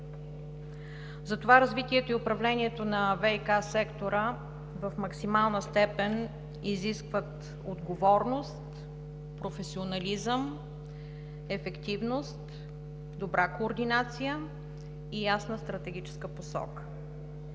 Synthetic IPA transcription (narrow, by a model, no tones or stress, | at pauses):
zɐt̪ovaɾɐzvit̪iɛt̪oiʊpɾɐvlɛniɛt̪onɐvɛikasɛkt̪oɾə | vɐfmɐksimalˠnəst̪ɛpɛn | iziskvət̪ | od̪ɡovɔɾnost̪ | pɾofɛsionɐlizəm | ɛfɛkt̪ivnost̪ | d̪obɾakoːɾd̪inat̪sijə | ijasnəst̪ɾɐt̪ɛɡ̟ʲit͡ʃɛ̥skəposɔ̰kə̥